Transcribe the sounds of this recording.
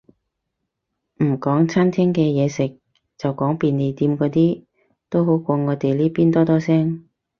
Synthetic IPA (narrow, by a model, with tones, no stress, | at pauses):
m̩˨˩kɔː˨˥ŋt͡sʰɐ˥nt̪ʰɛː˥ŋkɛː˧jɛː˨˧sɪ˨k̚ | t͡sɐ˨wkɔː˨˥ŋpiː˨ne˨˧jt̪iː˨˧mkɔː˨˥t̪iː˥ | t̪o˥wɦo˨˥wkʷɔː˧ŋɔː˨˧t̪e˨jliː˥piː˥nt̪ɔː˥t̪ɔː˥sɛː˥ŋ